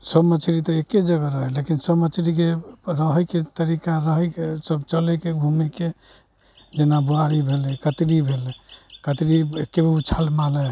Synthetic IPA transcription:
səbmət͡ʃʰɾit̪ɔekːed͡ʒəɡəɾəɦɛlekinsəbmət͡ʃʰɾikeɾəɦəjket̪əɾikaɾəɦəkesəbt͡ʃəlɛkeɡʱumike | d͡ʒenabuaɾibʱelɛkət̪ɾibʱelɛkət̪ɾiekːebiut͡ʃʰalmalɛ

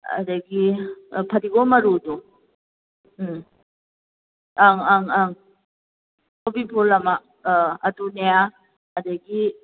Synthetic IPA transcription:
ɐ̰dɐɡipʰɐdiɡomɐɾudu | aŋaŋaŋ | obipʰulɐmɐ | ɐtunea | ɐdajɡi

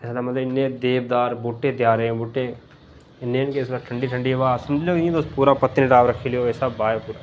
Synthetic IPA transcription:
ɛslamɐt̪lɐɪnːẽd̪eːbd̪aːɾbuːʈːẽd̪jaːɾẽbuːʈːẽ | ɪnjenkeslaʈʰɐɳɖiʈʰəɳɖiʋaːsɐmd͡ʒlijoːkːẽt̪ospuːɾapɐt̪ːinɪʈaːʋɾɐkʰilijoesabbaːjepuːɾa

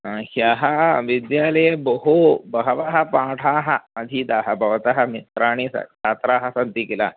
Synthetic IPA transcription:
ɦãhjaɦaʋid̪jalejboɦobɐɦʋaɦapãʈʰaːɦaəd̪ʱiːt̪aːɦabʱɐʋt̪aɦamit̪ɾaːɽ̃isa̰t͡ʃʰat̪ɾaɦasand̪ikila

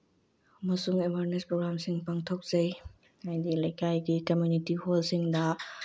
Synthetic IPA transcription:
ɐmɐsuŋebʱaɾnespɾoɡɾamsiŋpaŋtʰok̚z̥ɐj | ajdilɐjkajɡikɐmjunitiholsiŋdɐ

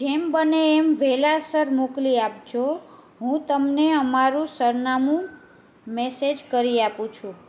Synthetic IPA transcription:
d͡ʒembəneːmʋelasəɾmokliap̚t͡ʃʰo | ɦũt̪əmneəmaɾũsəɾnamũ | mesed͡ʒkəɾiapũt͡ʃʰũ

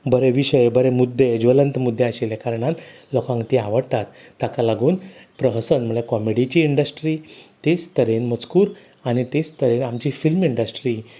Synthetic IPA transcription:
bəɾeʋiɕəjbəɾemud̪ʱːed͡ʑʋələnt̪mud̪ʱːeaɕelekaɾəɳat̪ | lɔkãŋkt̪iaʋəɽt̪at̪ːakalaɡuːnpɾəɦəsənm̤əɭekɔmeɽit͡ɕiːɳɖəsʈɾiːt̪est̪əɾenmət͡skuːɾ | aɽ̃it̪est̪əɾenamt͡ɕifilmiɳɖəsʈɾi

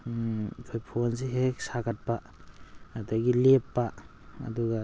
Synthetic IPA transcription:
kʰojpʰonsiɦeksaɡat̚pa | adaɡilepːa | ɐ̰duɡa

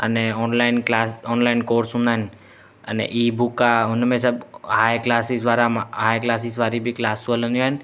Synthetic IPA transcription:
ə̰neɔːnlaːɪnklaːsɔːnlaːɪnkoːɾsɦʊ̃nd̪aːɦen | ə̰nḛʔiːbʱukːaʊnmẽsəbhaːjklaːsisʋaːɾamaɦaːjklaːsisʋaːɾibʱiklaːsʋələ̃njaen

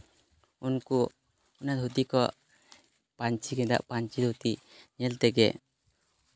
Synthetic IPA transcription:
unku | unat̪ɦut̪ikɔ | paɲt͡ʃiɡɛd̪a̰ʔpaɲt͡ʃid̪ɦut̪iɲɛlt̪ɛɡɛ̰

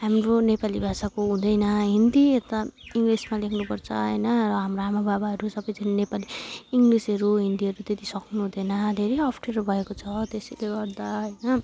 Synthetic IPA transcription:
ɦamronepalibʱasakoɦũd̪ʌjnʌɦind̪iet̪aiŋɡlismalekʰnupʌrt͡sʰʌ̰ɦʌjnʌrʌɦamroamababaʌɾusʌbʌjd͡zʌninepaliːŋɡlisʌɾuɦind̪iɦʌɾut̪et̪isʌknuɦũd̪ʌjnʌd̪ʱeɾejʌpʰʈerbʱʌekot͡sʰʌt̪esileɡʌɾd̪aɦʌjnʌ

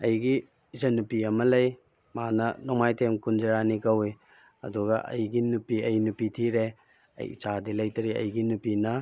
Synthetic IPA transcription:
ɐjɡi | zɐnupiɐmɐlɐj | manɐnɔmajtʰemkund͡ʒɐɾanikɐwi | ɐ̰duɡɐʔɐ̰jɡinupiɐjnupitʰiɾe | ɐ̰j̰t͡ʃadilɐjtɐɾiɐ̰jɡinupinɐ

